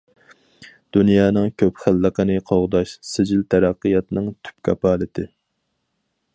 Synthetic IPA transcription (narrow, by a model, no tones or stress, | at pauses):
d̪̥unjɑːnɨŋkʲʰøpχælːəqənɨqʰoʁd̪ɑʃsɪd͡ʒɪlt̪ʰæɾɑqːəjɑt̪nɨŋt̪ʰy̥p̚kʲʰɑpɑːlɪt̪ʰɪ